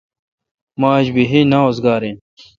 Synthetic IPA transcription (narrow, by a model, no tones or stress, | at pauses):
maːʑbiɦinaoːzɡaːɾẽ